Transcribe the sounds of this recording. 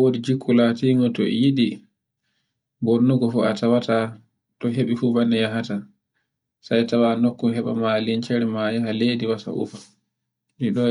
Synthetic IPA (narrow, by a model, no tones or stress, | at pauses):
awodid͡ʒikʰːulatiŋɡɔtɔ̰ɛ̰jiɗi | bonːuɡɔfua̰tawata | tɔɦeɓifuvanːɛjaɦata | sajtawanokːuɦɛɓa̰malint͡ʃɛɾɛmajahaleːdiwasa̰ʔṵfa | ɗiɗɔ